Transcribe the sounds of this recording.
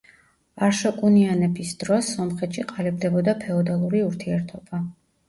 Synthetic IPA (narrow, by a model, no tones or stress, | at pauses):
aɾʃɔkʼunianɛbisd̪̥ɾɔsːɔmχɛt̪ʃiqʼalɛb̚d̪ɛbɔd̪apʰɛɔd̪alˠuɾiuɾt̪ʰiɛɾt̪ʰɔb̥a